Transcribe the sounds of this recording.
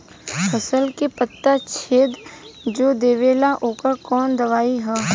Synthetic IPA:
pəsəlkepət̪ːat͡ʃʰeːd̪d͡ʒoːd̪eːʋeːlaʔoːkəɾkɔːnd̪ɐʋaːiɦɛː

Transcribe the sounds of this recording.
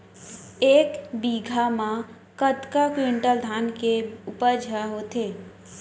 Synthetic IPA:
eːkbiɡʱamã | kət̪kakwiɳʈəld̪ʱaːnkeupəd͡ʒʱaɦot̪eː

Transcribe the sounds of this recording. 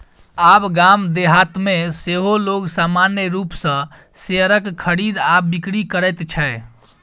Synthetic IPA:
abɡamd̪eɦat̪meseɦoloɡsamanjəɾupsə̃ | seəɾəkkʰəɾid̪abikɽikəɾəjt̪t͡ʃʰɛe

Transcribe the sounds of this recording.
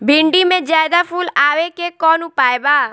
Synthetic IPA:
bʱɪɳɖimẽd͡ʒaːjd̪apʰuːlaːʋekekɔːnʊpaːebaː

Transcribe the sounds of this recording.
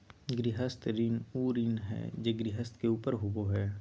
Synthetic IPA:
ɡɾɪɦəst̪ɾɪnuːɾɪnɦɛ̰ːd͡ʒeːɡɾɪɦəst̪keuːpəɾɦʊboɦɛː

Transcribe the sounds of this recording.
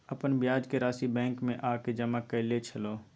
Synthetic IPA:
əpənbjaːd͡ʒkeɾaːsibɛ̃ːŋkmẽʔaːked͡ʒəməkːəlet͡ʃʰəloː

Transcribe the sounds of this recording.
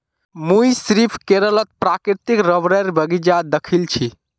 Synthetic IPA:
mujsɾipʰkeɾələt̪̚pɾakɾiɾt̪ikɾəbɾəɾbʱəɡid͡ʒad̪əkʰilt͡ʃʰi

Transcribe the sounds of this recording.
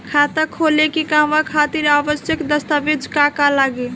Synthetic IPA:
kʰat̪akʰolekikamakʰat̪iɾabəsjəkd̪əst̪abid͡ʒkakalaɡe

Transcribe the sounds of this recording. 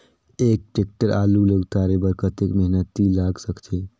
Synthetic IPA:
ek̚ʈek̚ʈəɾaluləɡt̪aɾebəɾkʰət̪ekməɦnət̪ːilaɡsəkt͡ʃʰe

